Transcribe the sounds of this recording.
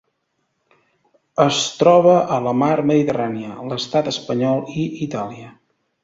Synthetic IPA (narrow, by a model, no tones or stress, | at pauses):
əst̪ɾɔβ̞əʔələmaɾməðit̪əraniələst̪at̪əspəɲɔlˠiit̪aliə